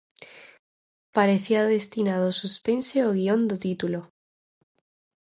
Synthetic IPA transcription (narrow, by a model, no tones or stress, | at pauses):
paɾeθiaðest̪inað̞osuspenseoɣ̞iond̪ot̪it̪ulo